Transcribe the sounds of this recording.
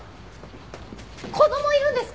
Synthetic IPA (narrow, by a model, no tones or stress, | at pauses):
kʰod̪omoiɾɯ̟̃nd̪e̞sɨ̥k